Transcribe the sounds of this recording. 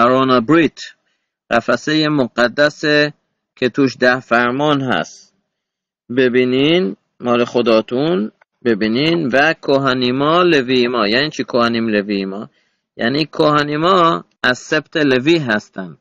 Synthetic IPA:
æɾonɑbɾit̪ʰ | ɢæfæsejemoɡæd̪ːæse | kʰet̪ʰuːʃd̪æhfæɾmɒːnɦæ̰st̪ | bebiːnin | mɒːlexod̪ɒːt̪ʰun | be̞biːninvækʰoɦænimɒːleviːjmɒːjæniːt͡ʃʰikʰohæniːmlevimɒ̰ː | jæ̰niːkʰohænimɒː | æzsebt̪ʰeleviːɦæst̪ænd̪

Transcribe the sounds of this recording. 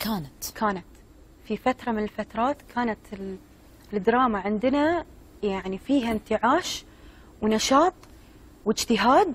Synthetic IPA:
kʰaːnat̪kʰaːnat̪ | fifat̪ɾˤɑmɪnɪlfat̪ɾˤɑːt̪kʰaːnat̪ɪl | ld̪ɾˤɑːmaʕɪnd̪ɪna | jaʕnifiːɦant̪ɪʕaːʃ | wnaʃɑːt̪ˤ | wɪd͡ʒt̪ɪɦaːd̪

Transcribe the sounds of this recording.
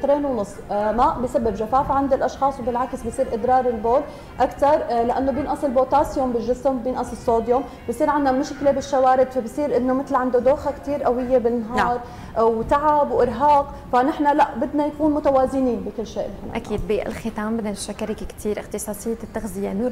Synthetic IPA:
t̪ɾeːnwnʊsˤmaʔbɪsabːɪbʒafaːfaʕand̪ilʔɑʃxɑːsˤwbɪlʕakɪsbɪsˤiːɾʔɪd̪ɾˤɑːɾˤɪlboːl | ʔakt̪ɑɾˤlaʔanːobjɪnʔɑsˤɨlboːt̪aːsjʊmbɪlʒɪsɪmwbjɪnʔɑsˤɨlsˤoːd̪jom | bɪsˤiːɾʕanːamʊʃklebɪʃːawaːɾɪd̪fabɪsˤiːɾʔɪnːomɪt̪lʕand̪od̪oːxakt̪iːɾʔawɪjːebɪnːaɦɑːɾˤ | ʔwt̪aʕabwʔɪɾɦɑːq | fanɪħnalaʔbɪd̪najakuːnmʊt̪awaːzɪniːnbɪkɪlːʃeːʔɪlħana̰ʔakiːd̪̚biɪ̰lxɪt̪aːmbɪd̪aʃakːaɾɪkkt̪ʰiːɾʔɪxt̪ɨsˤɑːsˤɪjːat̪ːaxzɪjanuːɾ

